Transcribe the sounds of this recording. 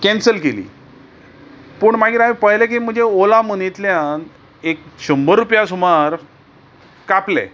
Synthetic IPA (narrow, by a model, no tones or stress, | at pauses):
kɛ̃nsəlkelḭː | pəɳmaɡiːɾaipəɦjlek̬im̤əd͡ʑeolamənit̪ljãn | ek̚ɕəmbəɾːupjasumaɾ | kaplɛ̰